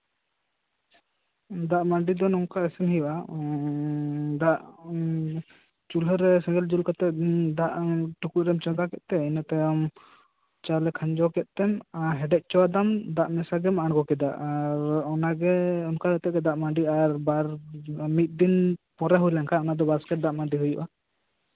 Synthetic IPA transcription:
d̪aʔmaɳɖid̪ɔnɔŋkaɛsɛmɦɛjʔa | d̪aʔ | t͡ʃulɦɔɾɛsɛ̃ŋɡɛld͡ʒulkat̪ɛd̪aʔʈukuʔ̚ɾɛmt͡ʃɔd̪akɛt̪ʔ̪̚t̪ɛɛnat̪ɛam | t͡ʃalɛkʰaɲd͡ʒɔkɛt̪̚ˀt̪ɛmaɦɛɖɛʔ̚t͡ʃɔwad̪amd̪aʔmɛsaɡɛmaʔaɽkɔkɛd̪a̰ʔaɾɔnaɡɛɔnkalɛt̪ɛʔ̪̚ɡɛd̪aʔmaɳɖiaɾbaɾmit̪̚ˀd̪inpɔɾaɦujlaŋkʰaɔnad̪ɔbaskɛʈ̚d̪aʔmaɳɖiɦujṵʔa

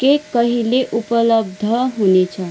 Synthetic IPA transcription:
kekəɦileʔupələbd̪ʱəɦonet͡ɕa

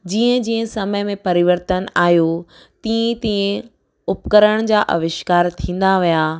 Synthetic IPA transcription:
d͡ʑiːə̃d͡ʑiːə̃sɐməjmẽpɐɾɪʋəɾt̪ənaːɦjo | t̪ĩːẽt̪ĩːẽ | ʊpkəɾəɽ̃d͡ʑaːʔɐʋɪʃkaːɾt̪ʰĩːn̆d̪aʋijaː

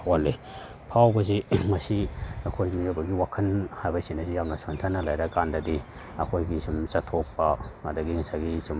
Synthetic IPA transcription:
walːe | pʰawbɐzimɐsiɐkʰojmijobɐɡiwakʰɐnhajbɐsinɐzijamnɐsantʰɐnːɐlajɾɐkandɐdi | ɐkʰojɡisumsɐtʰok̚pɐːdɐɡiŋsaɡisum

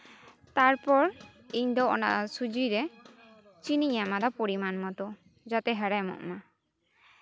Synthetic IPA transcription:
t̪aɾpɔɾ | iɲd̪ɔɔna̰ʔasud͡ʒiɾɛ | t͡ʃinijamad̪ɔpoɽimanmɔt̪ɔ | d͡ʒat̪ɛɦəɽajmɔ̰ʔma

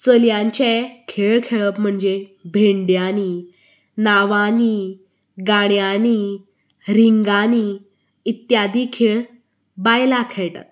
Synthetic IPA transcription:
səljãɲt͡ɕekʰeɭkʰeɭəpm̤əɳd͡zebʱeɳɖjani | naʋani | ɡaɳ̃jani | ɾiŋɡani | it̪jad̪iːkʰeɭ | bajlakʰeɭʈa̰t̪

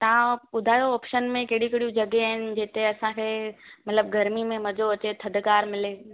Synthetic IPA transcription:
t̪ɐʋãʊd̪ʱaːjoːpʃənmẽkeɦɽiɪkɽijũd͡ʑɐɡeaːɦɪnɪ̆d͡ʑeːt̪eɐsãkʰeːmɐt̪ləbɡɐɾmimẽmɐd͡ʑoɐt͡ɕet̪ʰɐd̪ʱkaːɾmɪleː

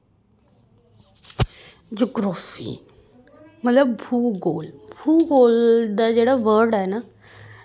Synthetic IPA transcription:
d͡ʑoɡɾɔfḭː | mət̪ləb̚bʱuːɡoːlbʱuːɡoːld̪ad͡ʑeɽaʋəɾɽaena

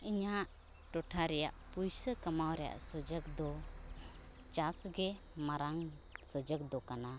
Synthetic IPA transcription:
iɲaʔ | ʈɔʈʰaɾɛja̰ʔpujsəkəmawɾɛja̰ʔsəd͡ʒək̚d̪ɔ | t͡ʃasɡɛ | maɾaŋ | səd͡ʒək̚d̪ɔkana

